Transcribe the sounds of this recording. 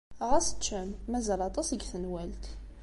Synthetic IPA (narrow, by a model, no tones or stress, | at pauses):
ʁæsə̥t͡ʃːəmːæzælɑt̪ˤɑsəɡθənwælt̪